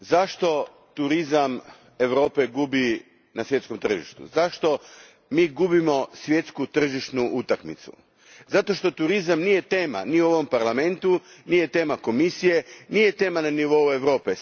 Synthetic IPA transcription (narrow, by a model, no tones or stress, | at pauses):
zaʃt̪o̞ | t̪uɾizam | e̞ʋɾo̞ːpe̞ɡubi | nasjetsko̞mt̪r̩ʒḭʃt̪ṵzaʃt̪o̞ | miːɡubimo̞sʋje̞t̪skut̪r̩ʒiʃt̪nuʔut̪akmit̪sṵ | zat̪o̞ʃt̪o̞t̪uɾizamnije̞t̪e̞ːma̰niuo̞ʋo̞mpaɾlame̞nt̪unije̞t̪e̞ːmako̞misije̞nije̞t̪e̞ːmananiʋo̞ue̞ʋɾo̞ːpe